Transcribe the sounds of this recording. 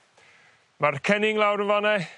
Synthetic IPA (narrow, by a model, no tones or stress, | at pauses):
markʰɛnɪŋlˠawɾənvanɛ